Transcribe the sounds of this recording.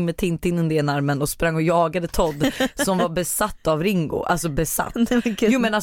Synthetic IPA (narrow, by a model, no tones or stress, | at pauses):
ŋmɛt̪ʰɪnt̪ɪnːɵnd̪əɛːnaɾmənɔspɾaŋːɔjɑːɡad̪ət̪ʰɔd̪ːsɔmvabɛsat̪ːavɾɪŋɡʊ̰ʔa̰lsɔbɛsa̰t̪ːjuːmɛna